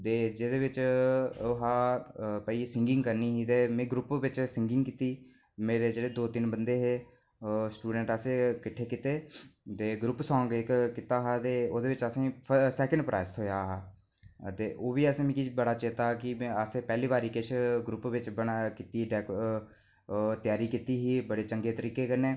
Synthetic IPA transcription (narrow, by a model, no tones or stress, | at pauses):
t̪eːd͡ʒeːd̪eːʋɪt͡ʃoɦaːpəisɪŋɡɪ̃ŋɡkəɾniːɦiːt̪eːmẽːɡɾʊpʋɪt͡ʃsɪŋɡɪŋɡkɪt̪iː | meːɾeːd͡ʒeːɽeːd̪oːt̪ɪnbənd̪eːɦeː | sʈuːɖəɳʈəseːkɪʈʰːeːkɪt̪eːt̪eːɡɾʊpsɔ̃ːŋɡɪkkɪt̪aːɦaːt̪eːoːd̪eːʋɪt͡ʃəsẽːpʰəsɛːkəɳɖpɾʔa̰ːɪst̪ʰɦojaːɦaː | t̪eːʔoːʋiːəsẽːmĩːkibəɽaːt͡ʃɪt̪aːkɪ̃əseːpɛːliːbaːɾiːkɪʃɡɾʊpʋɪt͡ʃbənaːkɪt̪iːɖɛːk | t̪ɪjaːɾiːkit̪iːɦiːbəɽeːt͡ʃəŋɡeːt̪əɾiːkeːkəɾneː